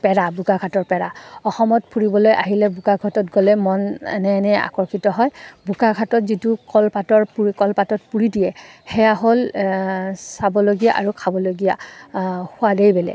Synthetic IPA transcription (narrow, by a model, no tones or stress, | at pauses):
pɛɹabʱukakʰatɔɹpɛɹaɔxɔmɔtpʰuɹibɔlojʔa̰ɦilɛbʱukaɡʰʱɔtɔtɡɔlɛmɔnɛ̰nɛnɛa̰kɔɹkʰitɔɦɔjbʱukaɡʱatɔtzitukɔlpatɔɹpuikɔlpatɔt̚puɹidijɛxɛjaɦol | sabɔloɡijaʔaɹukʰabɔloɡija̰ | hʊadejbɛlɛ̰